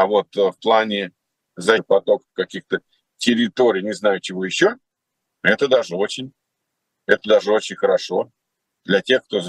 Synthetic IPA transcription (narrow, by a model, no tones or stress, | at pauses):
avo̞t̪fplˠanʲɪ | zɐpɐt̪o̞kəfkɐkʲixt̪ə | tʲɪɾʲɪt̪o̞ɾʲɪjnʲɪznajʊt͡ɕɪvo̞jɪɕːo̞ | ɛt̪əd̪aʐɨo̞t͡ɕɪnʲ | ɛt̪əd̪aʐɨo̞t͡ɕɪnʲxəɾɐʂo̞ | d̪lʲɐtʲe̞xk̚t̪o̞